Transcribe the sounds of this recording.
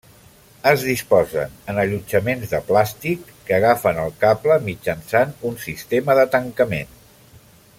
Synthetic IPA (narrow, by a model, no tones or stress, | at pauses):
əzðispɔzə̰nənəʎud͡ʒəmenzðəplast̪ikːəːɣ̞afənəlˠkapləmid͡ʒənsanunsist̪eməðət̪əŋkəmen